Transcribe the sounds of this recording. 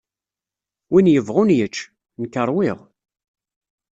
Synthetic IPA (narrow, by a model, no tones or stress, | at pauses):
winjəvʁʊnjət͡ʃː | nkːəɾˤwɪʁ